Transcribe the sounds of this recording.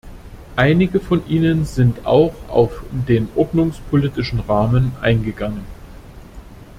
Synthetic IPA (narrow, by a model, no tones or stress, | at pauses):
ʔaɪnɪɡəfɔnʔiːnənzɪnta̰ʊxa̰ʊfdeːnʔɔɐdnʊŋspʰoliːtɪʃn̩ʁaːmənʔa̰ɪnɡəɡaŋən